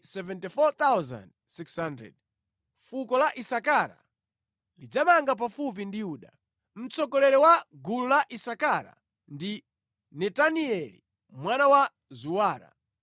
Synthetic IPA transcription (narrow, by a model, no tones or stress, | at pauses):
sɛvɛntifɔt̪awza̰nd̚ | sikshandɾɛ̰d̚ | fukɔlaʔisakaɾa̰ | lid͡zamaŋɡap̬afup̬indijuːɗa | m̩t͡sɔkɔlɛɾɛwaɡululaʔisakaɾa̰ | ndi | nɛtaniɛlḭ | mwanawa | zuwaːɾa̰